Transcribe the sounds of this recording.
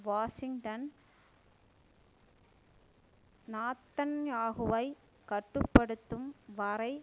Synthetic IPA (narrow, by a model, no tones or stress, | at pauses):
ʋaːʂɪŋʈɐn | naːt̪ːɐnjaːɣɯʋɐɪ | kɐʈːɯpːɐɽɯt̪ːɯmʋɐɾɐɪ